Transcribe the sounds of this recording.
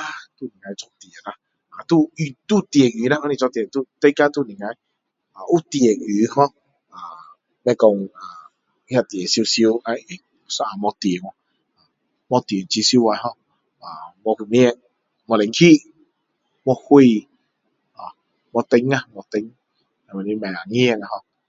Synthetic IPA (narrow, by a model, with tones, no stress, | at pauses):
a˦t̪u˦˨ni˨ŋa˨˧jt͡ʃɔ˧t̪i˨e˨na˧ | a˨t̪u˦i˧t̪u˦t̪i˨e˨ɡi˨˦na˦ɔ˦ni˧t͡ʃɔ˧t̪i˨e˨t̪u˦t̪e˦ka˦t̪u˦˨ni˨ŋa˧j | a˨u˦t̪i˧˨e˨ɡy˨˦hɔ˦ | a˨ | bɛ˧kɔ˧ŋa˨˧ | ha˧t̪je˨so˧sjo˧a˧˦˨ | sɔ˦a˨mɔ˧t̪e˨ŋʷɔ˧ | a˨ | mɔ˧t̪e˨n˨t͡ʃi˧si˧˦o˦˧wa˧˦ɦɔ˦ | a˨mɔ˧ku˨ni˦ɛ˧˦ | mɔ˧le˨ŋ̩˦ki˦ | mɔ˧hʷe˧˨ | a̰˨ | mɔ˧t̪e˧ŋa˦mɔ˧t̪e˧ŋ | a˨mɛ˨ni˧˦mɛ˨a˨ŋi˦ɛ˧ŋa˧hɔ˦